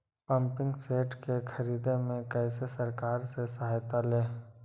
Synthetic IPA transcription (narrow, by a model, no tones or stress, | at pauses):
pɐ̃mpɪ̃ŋɡseːʈkekʰɐɾiːd̪emẽkɛːsesɐɾkaːɾsesɐɦaːjt̪aleː